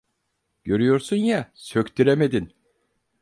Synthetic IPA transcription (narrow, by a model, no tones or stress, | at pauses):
ɟ̥ø̞ɾyjo̞ɾsunjasø̞ct̪ʰyɾeme̞d̪in